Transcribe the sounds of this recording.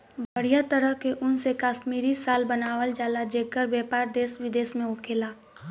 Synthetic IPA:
bəɽ̤ijat̪əɾəɦkeʔʊnsekaːʃmiːɾisaːlbɐnaːʋəld͡ʒaːlad͡ʒeːkːəɾbjaːpaːɾd̪eːsʋɪd̪eːsmẽʊkʰeːlaː

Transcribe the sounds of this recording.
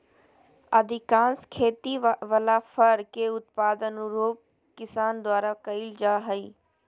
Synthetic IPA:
ɐd̪ʱɪkãːnskʰeːt̪iʋəlafəɾkeːʊt̪paːd̪ənɾoːp̚ | kɪsaːnd̪waːɾakɐild͡ʒaːɦəiː

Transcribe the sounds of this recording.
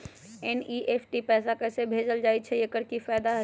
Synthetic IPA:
eniʔeːpʰʈipɛːsakɛːsebʱeːd͡ʒəld͡ʒaːit͡ʃʰɛjekəɾkifaːd̪aɦ

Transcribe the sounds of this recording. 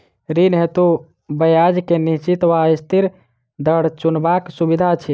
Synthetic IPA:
ɾinɦet̪u | bəjad͡ʒkenit͡ʃit̪ʋaist̪ʰiɾ | d̪əɽ̤t͡ʃunbaksubid̪ʱat͡ʃʰi

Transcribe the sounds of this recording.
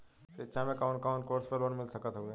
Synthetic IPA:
set͡ʃʰãmẽkaːnkaːnkoːɾspəloːnmɪlsəkət̪ɦoɡẽ

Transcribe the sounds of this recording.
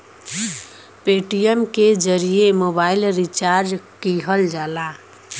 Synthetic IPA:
peːʈijəmked͡ʒəɾijemobaːɪlɾit͡ʃaɾd͡ʒkiɦəld͡ʒaːla

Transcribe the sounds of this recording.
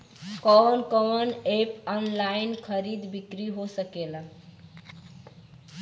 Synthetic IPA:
kɔnkɔmənepɔnlainkʰəɾid̪bikɾiɦosəkelə

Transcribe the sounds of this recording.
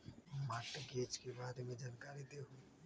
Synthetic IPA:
maːʈɡeːt͡ʃkebaːd̪mẽd͡ʒaːnkaːɾid̪eɦui

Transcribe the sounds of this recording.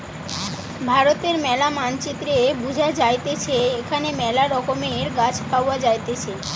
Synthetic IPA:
bʱaɾot̪eɾmɛlamant͡ɕit̪ːɾebud͡ʑʱad͡ʑajt̪et͡ɕʰeekʰanemɛlaɾɔkomeɾɡat͡ɕʰpawad͡ʑajt̪et͡ɕʰe

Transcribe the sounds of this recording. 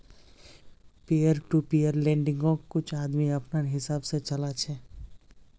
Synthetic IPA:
pejəɾʈupijəɾlẽːɳɖɪ̃ŋɡõkʊt͡ʃʰaːd̪miɐpnəɦɪsaːbset͡ʃɐlat͡ʃʰɛː

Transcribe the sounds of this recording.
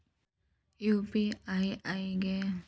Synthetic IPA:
jupiajajɡe

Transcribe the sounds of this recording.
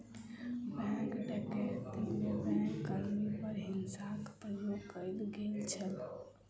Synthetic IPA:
bɛ̃kɖəʈet̪imebɛ̃kkːəɾmipəɾɦinsakpɾəjokəjlɡelt͡ʃʰəl

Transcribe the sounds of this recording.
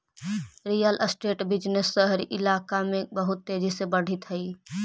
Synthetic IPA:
ɾijələsʈeːʈbɪd͡ʒnesːəɦɾiʔɪlaːkamẽbəɦʊt̪ːeːd͡ʒisebəɽ̤ʱit̪ɦəi

